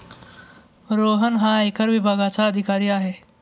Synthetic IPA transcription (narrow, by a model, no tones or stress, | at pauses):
ɾoɦənɦaekəɾʋibʱaɡat͡saəd̪ʱikaɾiːaɦe